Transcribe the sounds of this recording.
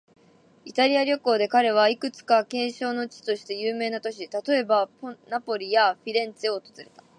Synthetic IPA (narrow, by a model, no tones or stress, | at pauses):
it̪aɾʲiaɾʲo̞ko̞ːd̪e̞kaɾe̞β̞aikɯ̟t͡sɨ̥kakẽ̞ɰ̃ɕo̞ːno̞t͡ɕi̥t̪o̞ɕi̥t̪e̞jɯːme̞ːnat̪o̞ɕ̬it̪at̪o̞e̞baponapo̞ɾʲijaɸʲiɾẽ̞nt͡sɨoːt̪o̞zɨɾe̞t̪a